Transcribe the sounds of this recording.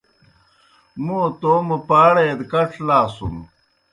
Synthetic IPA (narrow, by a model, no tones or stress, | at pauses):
mut̪oːmupaːɽed̪kɐʈ͡ʂʰlaːsṵm